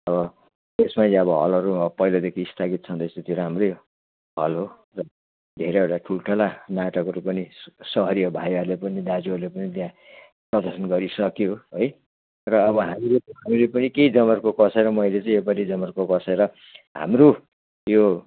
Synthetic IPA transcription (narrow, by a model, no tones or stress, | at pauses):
ʌβʌ | esmaʌbʌɦʌ̰lʌɾupʌilʌd̪ekʰiːst̪ʰaɡit̪̚t͡sʰʌnt̪ʌst̪it̪iʌɾɦamrʌj | ɦʌlɦo | rʌ | d̪ʱeɾeewʈaʈʰulʈʰʌlanaʈʌkʌɾupʌnisʌɦʌɾiʌbʱajʌrlepʌnid̪ad͡zuʌrlepʌnit̪jã | prʌd̪ʌrsʌnɡʌɾisʌkjoɦoj | rʌːbʌɦamileɦamilepʌnikeid͡zʌmʌrkokʌsʰeɾʌmʌjlet͡sãĩepaɾid͡zʌmʌrkokʌsʰeɾʌ | ɦa̰mru | jo